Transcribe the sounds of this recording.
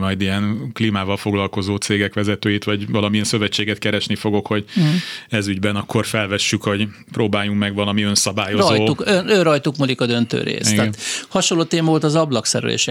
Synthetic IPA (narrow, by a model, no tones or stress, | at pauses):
mɒjd̪ijɛnkliːmaːvɒlfo̞ɡlɒlko̞zoːt̪seːɡɛkʋɛzɛt̪øːjit̪ʋɒɟvɒlɒmiɛnsøvɛt͡ʃːeːɡɛt̪̚kɛɾɛʃnifo̞ɡo̞kho̞ɟɛzyɟbɛnɒkːorfɛlvɛʃːykho̞ɟ | pɾoːbaːjuŋmɛɡʋɒlɒmiø̞nsɒbaːjozjt̪ːukønørɒjt̪ukmulikɒd̪ø̞nt̪ø̰ːɾḛːstɡ̪ɛːnhɒʃonloːt̪eːmɒvolt̪ɒzɒblɒksɛ̰ɾɛ̰lḛːʃɛ